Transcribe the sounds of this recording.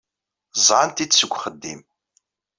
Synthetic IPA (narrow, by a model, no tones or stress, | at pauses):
zɑːnt̪itsɨɡʷχəd̪ːḭːm